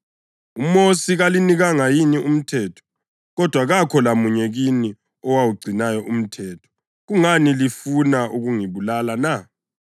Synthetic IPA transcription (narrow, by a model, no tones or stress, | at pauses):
umosiɣaliniɣaŋajinium̩tʰɛːtʰɔ̥ | ɣɔd̥ʱwaɣakʰɔlamuɲɛɣini | ɔwawuɡ͡ǀʱinajɔʔum̩tʰɛːtʰɔ̥ | ɣuŋanilifunaʔuɣuŋiβulalana